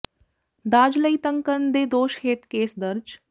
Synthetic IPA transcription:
d̪aːd͡ʒləit̪ə̃ŋkəɾɳd̪eːd̪oːʃheːʈkeːsd̪əɾd͡ʒ

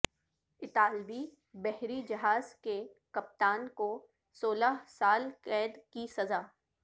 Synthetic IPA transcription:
ɪt̪aːlbi | bɛɦɾid͡ʒɐɦaːzke | kɐp̚t̪aːnko | soːlaɦsaːlkɛːd̪kisɐzaː

